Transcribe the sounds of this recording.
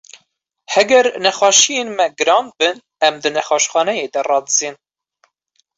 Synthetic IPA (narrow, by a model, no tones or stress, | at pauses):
hɛɡɛɾnɛxɑːʃijeːnmɛɡɨɾɑːn̚bɨn | ɛmd̪ɨnɛxɑːʃxɑːnɛjeːd̪ɛrɑːd̪ɨz̥iːn